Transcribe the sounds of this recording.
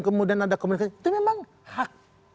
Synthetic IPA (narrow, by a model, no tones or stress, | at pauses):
kəmudianadakəmunikait̪umemaŋ | hak̚